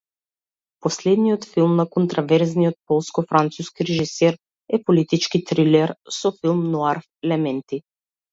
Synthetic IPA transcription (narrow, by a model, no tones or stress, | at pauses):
pɔslɛd̪nijɔt̪filˠmnakɔnt̪ɾavɛɾznijɔt̪̚pɔlˠskɔfɾant̪suskiɾɛʒisɛɾ | ɛpɔlit̪it͡ʃkit̪ɾilɛɾsɔfilˠmnɔaɾfɛlɛmɛnt̪i